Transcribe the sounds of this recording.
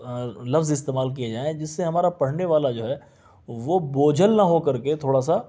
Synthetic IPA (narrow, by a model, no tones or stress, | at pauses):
lɐfzɪst̪eːmaːlk̬ijed͡ʒaːẽd͡ʒɪsːeɦɐmaːɾapɐɽ̤neʋaːlad͡ʒoːɦɛː | ʋoboːd͡ʒʱəlnɐɦokɐɾket̪ʰoːɽas̬a